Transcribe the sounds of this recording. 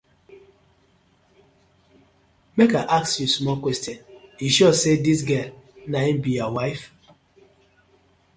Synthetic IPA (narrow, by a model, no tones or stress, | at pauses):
mekaʔaksjusmɔlkwɛstjɔniʃɔsedis̬ɡɛlnaim̩bijɔwaɪf